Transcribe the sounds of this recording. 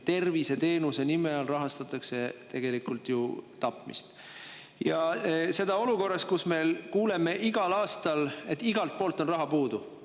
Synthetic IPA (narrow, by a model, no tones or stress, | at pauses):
t̪e̞rvise̞t̪e̞ːnuse̞nimeɑlrɑɦɑst̪ɑt̪ːˑɑkse̞t̪e̞ɡ̥e̞likˑult̪jut̪ɑpˑmḭst̪ | jɑse̞d̪ɑo̞luko̞rːɑskusme̞lkuːle̞me̞ʔiɡ̥ɑlɑːst̪ɑle̞t̪ːˑiɡ̥ɑlt̪̚po̞ːlt̪ːˑo̞nrɑɦɑpuːd̪u